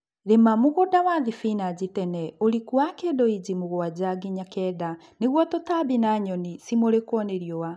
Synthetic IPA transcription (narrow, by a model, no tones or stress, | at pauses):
ɾemamoɣodawaðifinad͡ʑitɛnɛoɾikuakedɔid͡ʑimoɣoad͡ʑaɡiɲakɛda | neɣwɔtɔtabinaɲɔnisimoɾekwɔneɾjɔwa